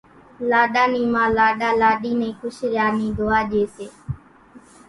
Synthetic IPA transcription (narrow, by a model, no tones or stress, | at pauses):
laːɗaːnĩːmãːlaːɗaːlaːɗiːnẽːkʰʊʃɾjaːnĩːd̪oːaːʄeːseː